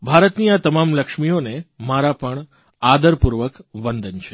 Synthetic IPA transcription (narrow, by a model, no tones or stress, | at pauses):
bʱaɾət̪niat̪əmamləkʃmijonemaɾapəɳ | ad̪əɾpuɾʋəkʋənd̪ənt͡ʃʰe̥